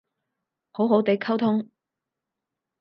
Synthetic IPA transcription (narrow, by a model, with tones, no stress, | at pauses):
ho˨˥wɦo˨˥wt̪e˨˥jkʰɐ˥wt̪ʰʊ˥ŋ